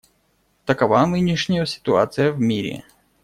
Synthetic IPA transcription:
t̪əkɐvanɨnʲɪʂnʲɪjəsʲɪ̥t̪ʊa̰t̪sɨjəvmʲiɾʲɪ̰

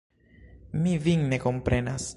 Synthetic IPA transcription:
miviŋne̞ko̞mpɾʔe̞nas

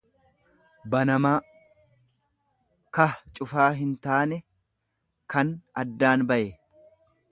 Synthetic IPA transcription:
bɐnɐmaː | kɐt͡ʃʼʊfaːɦɪnt̪aːnɛ | kɐnɐd̪ːaːnbɐʔe

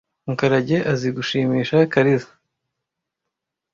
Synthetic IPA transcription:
uŋkaɾaɟe̞ʔaziɡuʃiːmiːʃakaɾizḁ

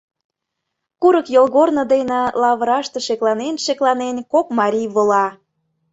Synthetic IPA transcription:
kuɾəkjolɣornə̆d̪enĕlɑβəɾɑʃt̪e̽ʃeklˠɑnenʃeklˠɑnenkokmɑɾʲiβolɑ

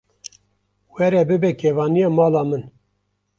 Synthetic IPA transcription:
wɛɾɛbɨbɛkeːvɑːnijɑːmɑːlɑːmɨn

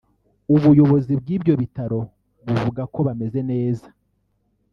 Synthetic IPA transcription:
uβujo̞βo̞zib̚ɡiːbɟo̞βitaɾo̞ | βuvuɡako̞βame̞zene̞ːza

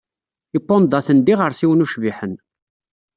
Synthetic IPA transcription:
ipːond̪ɑθənd̪iʁəɾsiwənuʃviħən

